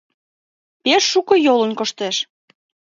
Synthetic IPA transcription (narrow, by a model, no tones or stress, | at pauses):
peʃːukɤ̆jolənkoʃt̪eʃ